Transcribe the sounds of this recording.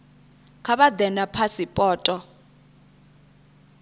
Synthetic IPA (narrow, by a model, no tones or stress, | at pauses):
kʰaɓad̪ɛnapʰasipʼɔːtʼɔ